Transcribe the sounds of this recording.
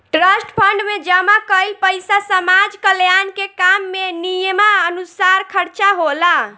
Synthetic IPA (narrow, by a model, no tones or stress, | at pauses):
ʈɾəsʈpʰəɳɖmed͡ʒəmakəjlpəjsasəmad͡ʒkəljankekamːenijəmaənusaɾkʰəɾt͡ʃaɦola